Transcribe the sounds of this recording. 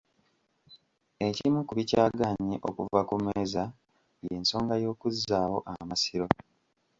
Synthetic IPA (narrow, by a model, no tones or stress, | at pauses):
ecimukuβicaːɡaɲeʔo̞̰kuvakumeːza | jeːnso̞ːŋɡajo̞ːkuzaho̞ʔamasiɾo̞